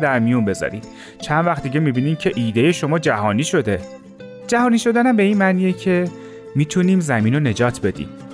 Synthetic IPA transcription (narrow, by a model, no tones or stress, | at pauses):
d̪æɾmijunbe̞zɒ̰ɾḭm | t͡ʃʰænd̪væxt̪d̪iɟemibiːniːmcʰe̞ʔiːd̪e̞je̞ʃo̞mɒːd͡ʒæɦɒːniːʃo̞d̪e̞ | d͡ʒæɦɒːniːʃo̞d̪ænæmbe̞iːnmæːniːjecʰe̞ | miːt̪ʰuniːmzæmiːnone̞d͡ʒɒːt̪ʰbe̞d̪ḭːm